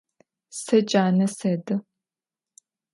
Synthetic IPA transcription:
sɐt͡ʃʼaːnɐsɐdɨ

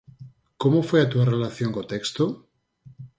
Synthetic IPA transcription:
komofweat̪uarelaθjoŋkot̪ekst̪o

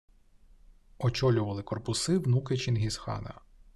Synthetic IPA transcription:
ɔt͡ʃɔlʲʊʋɐlˠɪkɔrpʊsɪwnukɪt͡ʃinɦʲisxɑ̰nɐ̰

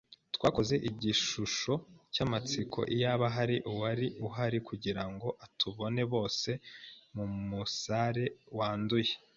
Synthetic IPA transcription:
twaːko̞ze̞ʔiɟiʃuʃo̞camat͡sikʰo̞̰ʔijaβaɦaɾiʔuwaɾiuɦaɾikuɟiɾaŋɡo̞ʔatuβo̞ne̞βo̞ːse̞mumusaɾe̞waːnduje

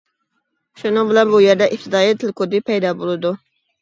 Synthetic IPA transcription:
ʃʊnɪŋbɪlɛnbujeɾd̪ɛʔɪft̪ʰɪd̪ɑːjit̪ʰɪlkʰod̪ɪpʰɛjd̪ɑbolˠɨd̪u

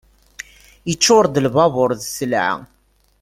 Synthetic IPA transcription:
jət͡ʃːʊɾd̪əlvɑvʊɾðsəlʕa̰

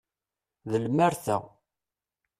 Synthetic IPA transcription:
ðəlmæɾθæ̰

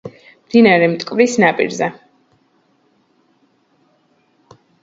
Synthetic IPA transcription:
md̪̥inaɾɛmt̪ʼkʼvɾisnapʼḭɾzɛ

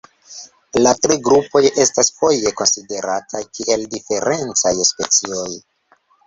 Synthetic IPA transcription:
latɾiɡɾupo̞jʔe̞stasfo̞je̞ko̞nside̞ɾatʰajkiʔe̞ldife̞ɾe̞nt͡sajspe̞t͡sio̞j

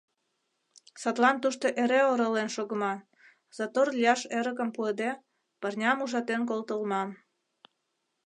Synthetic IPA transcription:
sɑt̪lɑnt̪uʃt̪oʔeɾeoɾolenʃoɣəmɑ | z̥ɑt̪orlʲijɑʃeɾəkəmpued̪e | pərnʲɑmuʒɑt̪enk̬olt̪əlmɑm

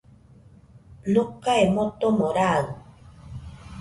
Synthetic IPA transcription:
nokːaemot̪omoɾaɣ

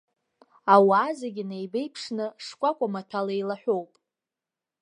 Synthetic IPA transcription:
awazaɡʲinejbe̞jpʰʂnɨʂkʷʼakʷʼamatʰalejlaħʷᶣo̞wpʼ

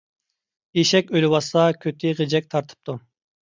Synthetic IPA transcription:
eʃɛkʲølɪwɑsɑkʲʰøt̪ʰɪʁed͡ʒɛk̚ʲt̪ʰɑɾt̪ʰɨ̥p̚t̪ʰu

